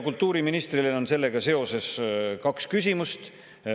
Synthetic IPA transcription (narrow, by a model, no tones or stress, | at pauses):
kult̪ːˑuːɾiminist̪rileo̞nse̞lːe̞ɡ̥ɑse̞o̞se̞skɑkskysʲimust̪